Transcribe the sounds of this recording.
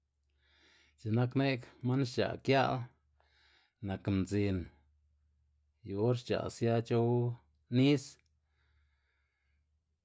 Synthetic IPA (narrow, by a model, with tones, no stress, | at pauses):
t͡ʃe˨na˦kne˦kma˦nʃt͡ʃa̰˨kja˦l | na˨kmd͡zi˧n | jo˨o˦ɾt͡ʃa̰˨sja˦t͡ʃo˦w | ni˦s